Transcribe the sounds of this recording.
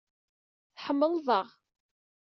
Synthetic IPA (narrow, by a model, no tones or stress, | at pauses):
θħəmːəlðˤəʁ